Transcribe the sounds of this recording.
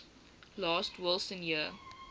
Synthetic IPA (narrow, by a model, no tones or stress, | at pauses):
lɑːstʰwɪlˠsə̃njiə